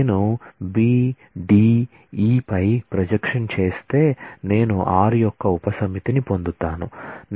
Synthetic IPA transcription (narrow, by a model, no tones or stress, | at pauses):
nubiː | ɖiː | iːpɐjpɾɐd͡ʒɐkʂɐnt͡ʃe̞ːst̪e̞ːne̞ːnuʔaːɾijɔkːɐupɐsɐmit̪inipo̞nd̪ut̪aːnun